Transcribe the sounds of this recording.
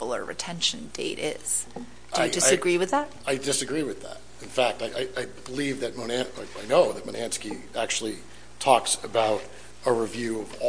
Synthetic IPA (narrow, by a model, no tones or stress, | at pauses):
l̩ˠə̰˞ɹɨ̰tʰɛ̃nʃɨ̃nd̥ḛɪɾɪ̰z̥ | ḁɨɪdɨsɨɡɹiwɨðæt̚aɪdɪsɨɡɹiwɨðæ̰t̚ɨ̃n̩fæk̚taɪʔaɪʔaɪb̥əlivðɨt̚monæ̃nɪaɪnoʊðɨt̚məñæ̃nski | æk̚t͡ʃʉl̩ˠi | tʰɔksɨbaʊɾ | əɹivjʉʌv